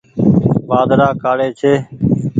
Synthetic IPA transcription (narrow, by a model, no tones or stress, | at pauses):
ʋaːd̪ɾaːkaːɽeːt͡ʃʰeː